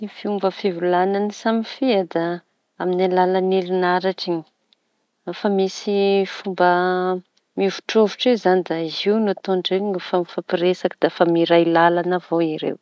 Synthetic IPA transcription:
ifiumbəfivulananisamifiad̪a | aminalalanelinaɾaʈ͡ʂiɲi̥ | afamisifumbə | miuvu̥ʈ͡ʂovuʈ͡ʂezanid̪aiziwnut̪oɳɖ͡ʐeɲifamfapiɾesakid̪̥aafamiɾajlalanəvoiɾḛw

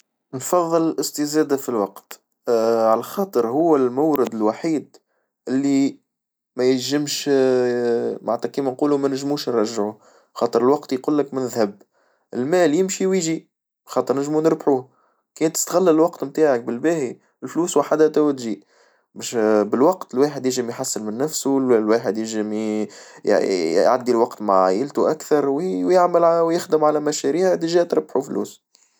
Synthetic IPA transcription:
nfɑðˤːɨlʔɪst̪ɪzæːd̪afilwɑqt̪ | ʕalæxɑːt̪ˤɨɾhʊwːælmawːɾɪd̪ɪlwaħiːd̪ | ʔɪlːi | mæjɪlʒɪmʃ | ma̰ʕt̪ːækiːmænquːlumænɪʒmuːʃnɾˤɑʒːʕu | xɑːt̪ˤəɾəlwɑqt̪jquːlːɪkmɪnðhæb | ʔɪlmæːljɪmʃiwiʒi | xɑːt̪ˤəɾnɪʒmunəɾbħuː | kɛːnt̪ːɪ̥st̪ɣælːælwɑqt̪mt̪aːʕak̚bɪlbæːhi | ɪlfluːswaħad̪æt̪æwt̪ʒiːʔ | bæʃbɪlwɑqt̪ɪlwaːħəd̪jɪʒɪmjħasːɪlmɪnːæfsulwaːħɪd̪jɪʒɪm | j̰ʕa̰d̪ːilwɑqt̪maʕʕaːjɪlt̪uʔækθɑɾˤwwjɪʕməlwjɪxd̪əmʕalæmæʃæɾiːhd̪əʒæːt̪ɾbħuflṵːs

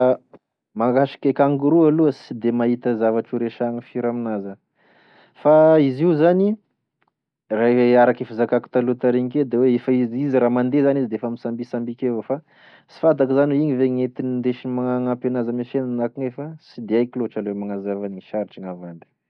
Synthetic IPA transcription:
a | maŋɡaʃi̥kʲekaŋɡuɾualuəsid̪emaɦit̪əzavaʈ͡ʂuɾeʃaŋifiɾaminazə | faiziuzani | raaɾakefizakaku̥t̪alut̪aɾeŋiked̪eweefaiziziɾamand̪ezanizd̪eefəmisambisambikevəfa | si̥fad̪akizanuiŋiveŋet̪inind̪eʃimaŋaŋapenazəmifenanakiŋefəsid̪eajkiloaʈ͡ʂalemaŋazavanŋiʃaɾiʈ͡ʂiŋavand̪i̥

